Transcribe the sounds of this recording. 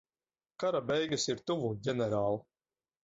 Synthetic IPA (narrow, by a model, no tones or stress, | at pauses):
kaɾabɛjɡasiɾt̪uvuɟʲɛnɛɾaːlˠu